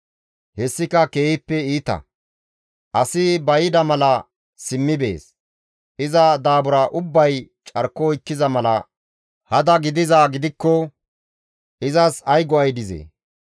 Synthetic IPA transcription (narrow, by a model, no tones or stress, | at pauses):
hɛsːɪkɐkeːhɪpːɛiːt̪ɐ̰ | ʔɐsɪbɐjɪd̪ɐmɐlɐ | sɪmːɪbḛːs | ʔɪzɐd̪aːbʊɾaʔʊbːɐj | t͡ʃʼɐɾkːɔjkːɪzɐmɐlɐ | hɐd̪ɐɡɪd̪ɪzaːɡɪd̪ɪkːɔ | ʔɪzɐsɐjɡɔɐjd̪ɪzḛː